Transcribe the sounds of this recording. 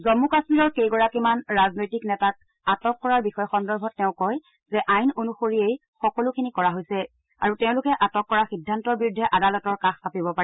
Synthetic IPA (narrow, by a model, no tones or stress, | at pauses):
zɔmːukasmiɹɔɹkejɡɔɹakimanɹaznojtiknɛtat̚ | atɔkːɔɹaɹbixɔjɔxɔndɔɹbʱɔtːɛʊ̃kɔj | zɛʔajnonuxoɹiej | xɔkɔlʊkʰinikɔɹaɦojsɛ | a̰ɹuteʊ̃lʊkɛʔatɔkːɔɹaxidʱːantɔɹbiɹudʱːɛʔadalɔtɔɹkaxapibɔpaɛ